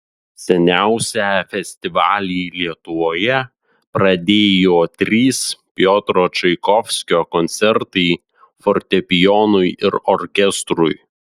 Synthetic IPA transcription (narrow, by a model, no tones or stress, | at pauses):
sʲɛnʲæˑʊsʲæːfʲɛsʲt̪ʲɪʋɑːlʲɪlʲiɛt̪ʊʋoːjɛ | pɾɐd̪ʲeːjoːt̪ʲɾʲiːspʲjɔːt̪ɾoːt͡ʃɐɪkɔfʲsʲkʲoːkɔnʲt̪sʲɛɾt̪ɐɪ | fɔɾʲt̪ʲɛpʲɪjɔːnʊjɪɾɔɾʲkʲɛst̪ɾʊj